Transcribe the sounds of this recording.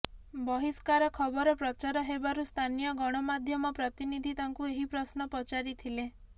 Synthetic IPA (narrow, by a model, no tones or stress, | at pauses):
bɔɦiskaɾɔkʰɔbɔɾɔpɾɔt͡ʃaɾɔɦebaɾust̪ʰanijɔɡɔɽ̃ɔmad̪ʱjɔmɔpɾɔt̪inid̪ʱit̪aŋkueɦipɾɔsnɔpɔt͡ʃaɾit̪ʰile